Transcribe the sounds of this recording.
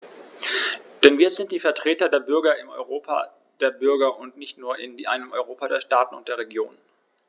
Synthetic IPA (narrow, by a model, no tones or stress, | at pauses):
d̥ɛnviːɐzɪnt̚d̥iːfɛɐtʁ̥eːtɐdeːɐbʏɐɡɐɪmɔ̰ʏʁoːpʰa̰ | d̥eːɐbʏɐɡɐʊntnɪçtnuːɐɪndiʔaɪnəmʔɔʏʁ̞oːpadeːɐʃtaːtn̩ʊ̰nt̚d̥eːɐʁ̞eɡjo̰ːn